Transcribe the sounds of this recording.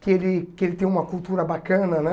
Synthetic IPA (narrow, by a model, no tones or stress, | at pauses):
kɪelɪkɪelɪt̪ẽj̃ũmɐkult̪uɾɐbakɐ̃nɐnɛ